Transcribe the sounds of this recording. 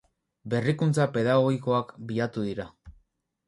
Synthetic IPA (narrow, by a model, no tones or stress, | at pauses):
be̞rikunt͡sape̞ð̞aɣo̞ɣiko̞akbiat̪uðiɾa